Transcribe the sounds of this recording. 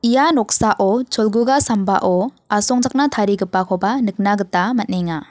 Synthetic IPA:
ijanɔk̚saʔɔt͡ʃʰɔlɡuɡasamba̰ʔɔ | asɔŋd͡ʒak̚natʰaɾiɡɯpːakʰɔbanɯk̚naɡɯtamat̚neŋa

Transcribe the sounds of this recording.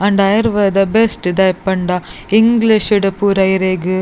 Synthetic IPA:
ɐɳɖɐjɾʋɐd̪ɐbesʈd̪ɐjpːɐɳɖɐ | ɪŋɡliʃɪɽɐpuːɾɐjɾeːɡɯ

